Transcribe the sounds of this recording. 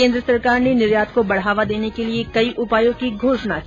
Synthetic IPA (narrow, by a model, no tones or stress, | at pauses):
ẽːnd̪ɾəsɐɾkaːɾnenɪɾjaːt̪̚kobɐɽ̤aːʋad̪eːnekeliekɐiʔʊpaːjõkiɡʱoːʃna